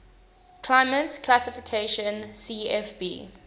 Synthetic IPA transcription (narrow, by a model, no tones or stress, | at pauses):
kʰlaɪmə̃tkʰlasɪfikʰeʃɔ̃nsiɛfbḭː